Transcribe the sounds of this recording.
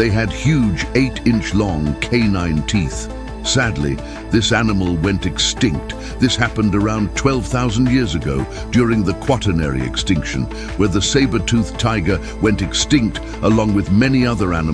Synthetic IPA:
ðeɪɨd̚hjʉd͡ʒeɪɾɪ̃nt͡ʃlɔ̃ŋkʰẽɪnãɪ̃ntʰiθ | sædˡlḭ | ðɪsænəml̩ˠwɛ̃ntɨkstɪ̃ŋk̚t | ðɪshæpɨ̃n̩də˞ãʊ̃ntʰw̥ɛlˠv̥θaʊzn̩djɪɹzɨɡoʊ | d̥jʊɹɪ̃ŋðɨkʰw̥ɑɾənɛ̰ɹḭɨ̰kstɪ̃ŋkʃɨ̰̃n | wə˞ðɨseɪbə˞tʰʉθtʰaɪɡə˞ | wɛ̃ntɨkstɪ̃ŋk̚t | ʔəlɔ̃ŋwɨðmɛniʌðə˞ænɨ

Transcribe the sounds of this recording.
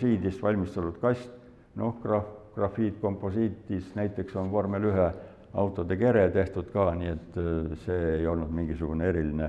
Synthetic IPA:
siːd̪ist̪vɑlʲmist̪ɑlut̪kɑsʲt̪ | no̞hkrɑkrɑfːiːt̪ko̞mpːˑo̞siːt̪ːˑisnæjt̪ːˑe̞kso̞nkormelyɦe | ɑ̰wt̪ːˑo̞d̪eke̞ɾet̪e̞ht̪ud̪̥kɑːniːe̞t̪ːˑse̞ːejo̞lnud̪̥miŋɡ̥isuɡ̥uneeɾiline

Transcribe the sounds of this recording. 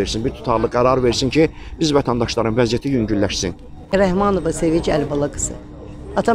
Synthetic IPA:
eɾsinbiɾt̪ʰu̥t̪ʰɑɾlˠɯɡæɾɑɾve̞ɾsincʰi | bizvæt̪ʰɑnd̪ɑʃlˠɑɾɯnvæzjæt̪ʰijyɲɟyllæʃsin | ɾæɦmɑnovɑsevid͡ʒiælbɑlˠɑɡɯ̥sɯ̰ | ɑt̪ʰɑ

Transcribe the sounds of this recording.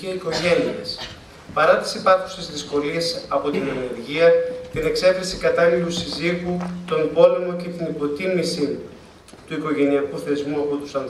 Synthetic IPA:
iiko̞ʝe̞nies | pɐɾɐt̪i̥sipɐu̥se̞zðisko̞lie̞sɐpo̞t̪ineneɾʝiɐt̪ine̞kse̞fɾesikɐt̪ɐlilusiziɣut̪o̞mbo̞le̞mo̞ce̞t̪inipo̞t̪imisi | t̪uiko̞ʝe̞niɐkuθe̞zmuɐpo̞t̪u̥sɐn

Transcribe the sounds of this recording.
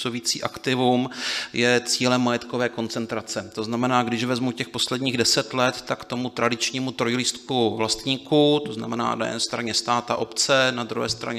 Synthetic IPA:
oviːt͡sḭːʔakt̪ɪvumjɛt͡siːlɛmːajɛt̪kovɛːko̞nt͡sɛnt̪ɾat͡sɛt̪o̞znamɛnaːɡdɪʒvɛzmucɛxpo̞slɛdɲiːɣdɛsɛt̪lɛt̪ːakt̪o̞mut̪ɾadɪt͡ʃɲiːmut̪ɾojɪlist̪kuvlast̪ɲiːkut̪o̞zna̰mɛna̰ːna̰jɛ̰nɛst̪ɾaɲɛst̪aːt̪aʔo̞pt͡sɛnad̪ɾṵɦɛ̰ːst̪ɾa̰ɲ

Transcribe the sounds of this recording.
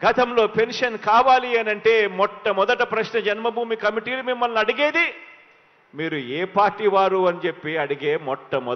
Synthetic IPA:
ɡɐt̪ɐmlo̞ːpe̞nʂɐnkaːʋaːliɐnɐɳʈe̞ːmɔʈːɐmɔd̪ɐʈɐpɾɐʃnɐd͡ʒɐnmɐbʱuːmikɐmiʈiːlumimːɐlnɐɽiɡeːd̪i | miːɾueːpaːɾʈːiːʋaːɾuɐnit͡ʃe̞pːiɐɽiɡeːmɔʈːɐmɔ

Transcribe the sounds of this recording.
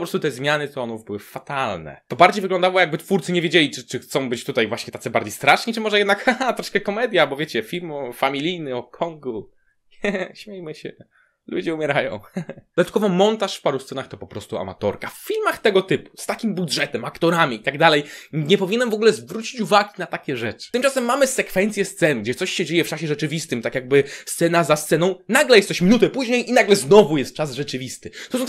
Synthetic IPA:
ɔpɾɔst̪ut̪ɛzmʲjanɘt̪ɔɔnuvbɘwɘfat̪alnɛ̰t̪ɔbaɾd͡ʑejvɘɡlɔnd̪awɔjaɡ̚bɘt̪fuɾt̪sɘɲɛvʲjed͡ʑelʲit͡ʂɘt͡ʂɘxt̪sɔ̃w̃bɘt͡ɕt̪ut̪ajvwaɕɲɛt̪at̪sɛbaɾd͡ʑejst̪ɾaʂɲit͡ʂɨmɔʐɛjɛd̪nakaat̪ɾɔʂkɛkɔmɛd̪ʲjabɔvʲjet͡ɕɛfʲilmɔfamʲilʲijnɨɔkʰɔŋɡu | ɲɛɕmʲejmɘɕɛ̰ | lṵd͡ʑɛumʲjɛɾajɔ̰̃w̃d̪ɔd̪at̪kɔvɔmɔnt̪aʂfpaɾust̪sɛnaxt̪ɔpɔpɾɔst̪ua̰ma̰t̪ɔ̰ɾkaffʲilmaxt̪ɛɡɔt̪ɘpu̥st̪akʲimbudʐɛt̪ɛmakt̪ɔɾamʲiit̪aɡd̪alɛjɲɛpɔvʲiɲɛnɛmvɔɡulɛzvɾut͡ɕi̥t͡ɕuvaɡʲinat̪akʲɛʐɛt͡ʂɘ̥t̪ɨmt͡ʂasɛmːamɘsɛkfɛnt̪sʲjɛst̪sɛnɡd͡ʑɛt̪sɔɕɕɛd͡ʑejɛft͡ʂaɕɛʐɛt͡ʂɘvʲist̪ɘmt̪akjaɡ̚bɘst̪sɛnazast̪sɛnɔ̃w̃naɡlɛjɛst̪sɔɕmʲinut̪ɛpuʑɲejʔinaɡlɛznɔvujɛst̪̚t͡ʂazʐɛt͡ʂɘvʲist̪ɘt̪ɔsɔ̃

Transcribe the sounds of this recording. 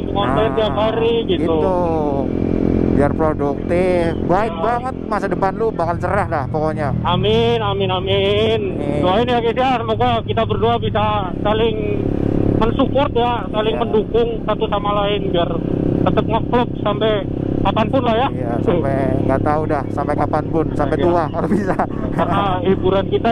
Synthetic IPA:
kɔnt̪ɛnt̪iaphaɾiɡit̪ut̪u | biarpɾoduk̚t̪ɪfbaɪk̪̚baŋət̪̚masadəpanlubakant͡ʃəɾahlahpokoɲaamɪnamɪnamɪn | doaɪnjakisiasəmoɡakit̪abərduabisa | salɪŋ | mənsupɔrt̪̚jasalɪŋməndukʊŋsat̪usamalaɪnbiart̪ət̪əp̚ŋɔk̚lɔp̚sampɛ | kapanpʊnlahjajasapɛŋɡat̪audahsampɛkapanpʊnsapɛt̪uakalubisa | karnaɦibuɾankit̪a

